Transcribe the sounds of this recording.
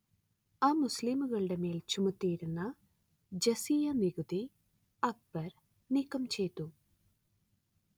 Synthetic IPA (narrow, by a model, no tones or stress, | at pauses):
aːmuslimuɣɐɭɨɽe̞me̞ːlt͡ɕumɐt̪ːijiɾunːɐ | d͡ʑɐsiːjɐniɣuði | ɐk̚b̥ɐɾ | nikːɐmt͡ɕe̞jt̪ːu